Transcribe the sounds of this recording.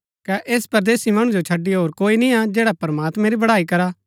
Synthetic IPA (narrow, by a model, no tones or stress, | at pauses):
kɛʔeːspɐɾd̪eːsimɐɽ̃ũd͡ʒot͡ʃʰɐɖːiɦoːɾkoːinĩad͡ʒeːɽapɐɾɐmaːt̪mẽɾibɐɽaːikɐɾaː